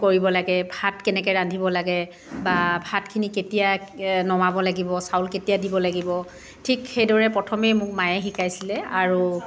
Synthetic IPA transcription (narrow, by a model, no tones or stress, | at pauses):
koɹibɔlaɡɛbʱatkɛnɛkɛɹandʱibɔlaɡɛ | babʱatkʰiniketijanɔmabɔlaɡibɔsawlketijadibɔlaɡibɔ | tʰikxejdɔɹɛpɹɔtʰɔmɛjmʊkmajɛxikʰajsilɛaɹu